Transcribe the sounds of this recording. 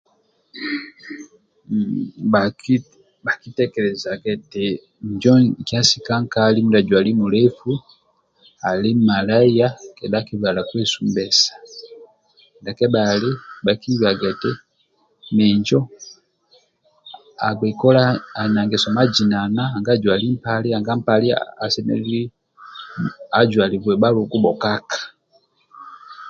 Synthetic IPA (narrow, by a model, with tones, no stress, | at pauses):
ba˨ki˦tɛ˦kɛ˨lɛ˨za˨kɛ˨tɛ˨ | ɲd͡ʒɔ˦kja˦si˨ka˦ŋka˦li˦mu˦da˨ɟwa˨li˦mu˨lɛ˦fu˦ | a˨li˦ma˨la˦a˦kɛ˨da˦ki˦βa˨la˨kwɛ˦su˦mbɛ˨sḁ˨ | nda˨kɛ˦ba˨li˦baki˦βa˨ɡatɛ | mɛɲd͡ʒɔ˦ | a˨ɡwɛ˨kɔ˦laːna˨ŋɡɛ˨sɔma˦d͡ʒi˨nanaːŋɡa˦ɟwa˨li˦m̩paliaŋɡa˦m̩pali˦a̰a˨sɛ˦nɛ̰˦li˦ | aɟwa˨li˨βwɛba˦lu˨ku˦ɓɔkakḁ˨